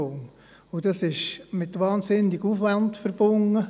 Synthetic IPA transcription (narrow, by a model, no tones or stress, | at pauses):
oːm | ʊd̥ɑsɪʃmɪtʋɑːnsɪnːɪɡuːfʋantfəɾb̥ʊŋə